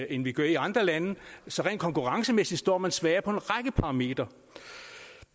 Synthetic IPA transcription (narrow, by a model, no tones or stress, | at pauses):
enʋiɡ̥ɶɐiɑ̈nd̥ʁɐlænəsɒ̽ʁɛ̰ːnkʰɒ̽ŋkʰuʁɑ̈ŋsəmesidˠsd̥ɒ̰ːmænsʋɛːɐpʰɒ̽e̝nʁɑɡ̥əpʰɑ̈ʁɑ̈me̝̰ːd̥ʁɐ